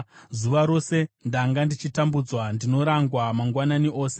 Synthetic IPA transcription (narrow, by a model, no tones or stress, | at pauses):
zuʋaɾo̞se̞ndaŋɡandit͡ʃitambud͡zwandino̞ɾaŋɡwamaŋɡwananiʔo̞ːse̞